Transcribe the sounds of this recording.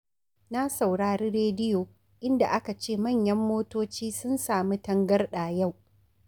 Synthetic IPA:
na˦sa˨wɽaː˨ɽiː˦ɾeː˦dɪ˦joː˨ | ʔɪ˦nda˨ʔa˦ka˨t͡ʃeː˦˨mɐ˦˨ɲjɐ˦mːoː˦toː˦t͡ʃiː˦sʊ˦nsaː˨mi˦tɐ˦ŋɡɐ˦rɗaː˨ja˦˨w

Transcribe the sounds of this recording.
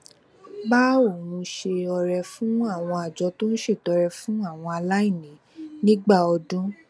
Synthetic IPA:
ba˦o˨nũ˧ʃe˧ɔ˧ɾɛ˧fũ˦a˦˨w̃ɔ̃˧a˨d͡ʒɔ˧˦to˦ñ̩˦ʃe˦˨tɔ˨˧ɾɛ˧fũ˦a˦˨w̃ɔ̃˧a˧la˦i˦˨nĩ˨˦ | nĩ˦ɡ͡ba˦˨ɔ˧dũ˦

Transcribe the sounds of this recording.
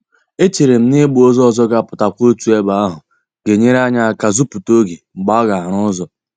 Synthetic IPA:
e˦t͡ʃe˨ɾe˨m̩˦ne˦ɡ͡bu˨o˦zɔ˦ɔ˦˨zɔ˦ɡa˨pʊ˨ta˨kʷo˦tu˦e˦ba˨a˦ɦʊ˨ | ɡe˨ɲe˦ɾa˦ɲa˦a˦˨ka˦zu˦pu˨to˦ɡe˨ŋ͡m̩˨ɡ͡ba˦ɔ˦ɡa˨a˨ɾ̃ʊ˦zɔ˨

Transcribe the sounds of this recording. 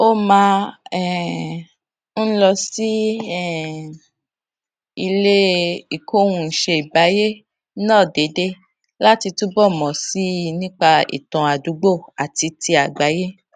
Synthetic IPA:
o˦mã˧ɛ˦˨ | n̩˦lɔ˧si˦ɛ˦˨ | i˧le˦i˨kʰo˦wũ˧n̩˨ʃe˧i˨ba˨˦je˦ | nãː˦˨de˨˦de˦ | la˦ti˧tu˦bɔ˦˨mɔ̃˨si˦nĩ˦k͡pa˧ḭ˨tɔ̃˨a˨du˨˦ɡ͡bo˦˨a˨ti˧ti˧a˨ɡ͡ba˨˦je˦

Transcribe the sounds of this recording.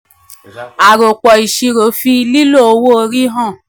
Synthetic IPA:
a˨ɾo˨k͡pɔ˨i˨ʃi˧ɾo˨˦fi˧˦˧li˦lo˦˨o˧wo˦o˧ɾi˦ɦã˦˨

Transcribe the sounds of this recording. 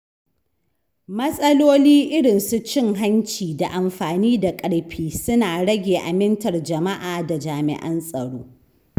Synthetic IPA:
mɐ˦sʼɐ˦loː˦liː˦ʔɪ˦ɽɪ˨nsu˦t͡ʃɪ˦˨ŋɦa˦nt͡ʃiː˨da˨ʔa˨mɸaː˨niː˦da˨kʼɐ˨ɽɸʰiː˦sʊ˦naː˨ɽɐ˦ɡʲeː˨ʔa˨mɪ˦ntɐ˨rd͡ʒɐ˨ma˦ʔaː˨da˨d͡ʒaː˨mɪ̰˨ʔɐ̰˦nsʼɐ˨ɽoː˦

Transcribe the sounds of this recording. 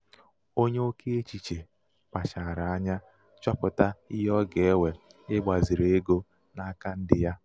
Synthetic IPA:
o˦ɲe˦o˦ke˦e˦t͡ʃi˨t͡ʃe˨ | k͡pa˨t͡ʃa˨ɾa˨a˦ɲa˦ | t͡ʃa˦pʊ˨ta˦ɪ˦ɦɔ˦ɡe˨e˦we˨ɪ˦ɡ͡ba˨zi˨ɾe˦ɡo˦ | na˦ka˦n̩˦dɪ˨ja˦

